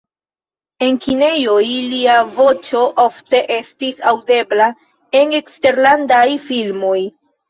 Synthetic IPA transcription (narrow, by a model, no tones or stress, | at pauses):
e̞nkʰine̞jojliavo̞t͡ʃo̞ʔofte̞ʔe̞stisawde̞bla | e̞ne̞kste̞ɾlandajfilmo̞j